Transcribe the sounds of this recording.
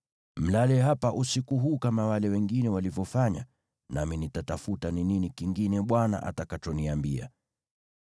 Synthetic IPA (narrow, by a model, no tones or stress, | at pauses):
m̩lalɛɦapaʔusikuɦuːkamawalɛwɛŋɡinɛwalivjɔfaɲa̰ | naminitatafutanininikiŋɡinɛɓwana̰ʔa̰takat͡ʃɔniambia̰